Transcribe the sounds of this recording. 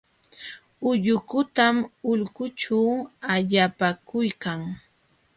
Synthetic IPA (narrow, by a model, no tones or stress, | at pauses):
ʊʎʊkʊt̪amʊʎkʊt͡ʃawaʎapakʊjkaŋ